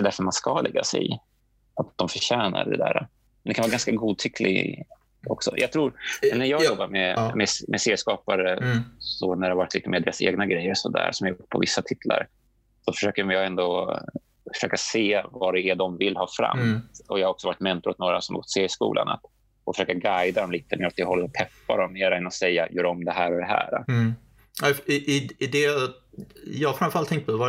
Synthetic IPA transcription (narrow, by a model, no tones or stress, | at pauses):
d̪ɛd̪æɾfœɾmanskɑlɛɡːasɛ̰j | at̪̚d̪ɔmfœɕɛːna̰ɖ̪ɛ̰d̪æ̰ːɾa | mɛnd̪ɛkʰanvɑːɡanskaɡuːd̪̚t̪ʰʏkʰlɪ̰ɡ | ɔ̰ksɔ̰jʔɑ̰t̪ʰɾuːɾnæɾjɑːɡjɔbːaɾmɛmɛmʔɛseːskɑːpaɾəsɔnæɾɖ̪ɛhavaɾɪt̪liːt̪əmeːɾd̪eːɾasḛːɡnaɡɾɛjːəɾsɔd̪æ̰ɾsɔmhaɾjʊʈːpʰɔ̰vɪsːat̪ʰɪt̪ʰla̰ɾ | sɔfœ̥ʂøːkəmɪjɑːɡɛnd̪o | fœ̥ʂøːkaseːvɑɖ̪ɛæɖ̪ɔmvɪlːhɑːfɾa̰mɔjɑhaɾɔksɔvɑːɾɪt̪mɛnt̪ʊɾɔt̪noːɾa̰sɔmhaɡɔt̪ːseːɾɪskṵːla̰na̰t̪ | ʔɔfœʂøːkaɡajd̪ad̪ɔmliːt̪əmḛːɾat̪ːɪhɔlːəɾɔtp̪ʰɛpːa̰d̪ɔmːeːɾaɛnːɔsɛjːajœːɾɔmd̪ɛɦæːɾɔd̪ɛɦæ̰ːɾa̰ | aɪʔɪɪd̪ɛ | jɑfɾanfœɾalt̪ʰːɛŋt̪pʰɔv